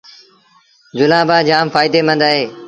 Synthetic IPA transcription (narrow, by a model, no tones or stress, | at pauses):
d͡ʒʊlãːbaːd͡ʒaːmfaːɪd̪eːmə̃nd̪aːɦeː